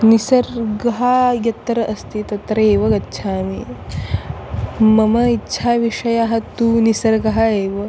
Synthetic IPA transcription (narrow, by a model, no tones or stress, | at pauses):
nisɐɾɡɐɦajɐt̪ɾɐʔɐst̪it̪ɐt̪ɾɐeːʋɐɡɐtːʃʰaːmi | mɐmɐitːɕʰaːʋiʂɐjaːɦɐt̪uːnisɐɾɡɐɦaeːʋɐ